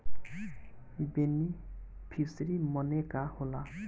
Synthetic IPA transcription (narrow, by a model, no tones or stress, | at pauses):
benipʰisɾimʌnekahola